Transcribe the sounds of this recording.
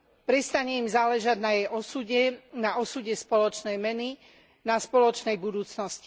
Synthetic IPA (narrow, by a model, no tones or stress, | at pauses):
pɾɛst̪aɲɛimzaːlɛʒaɟnajɛjɔsuɛnaɔsuɟɛspɔlɔt͡ʃnɛjmɛni | naspɔlɔt͡ʃnɛjbud̪uːt͡snɔsci̥